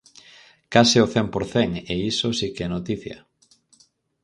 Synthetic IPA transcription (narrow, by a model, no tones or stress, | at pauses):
kasɪoθɛmpoɾθeŋeisosikɛnot̪iθjɐ̰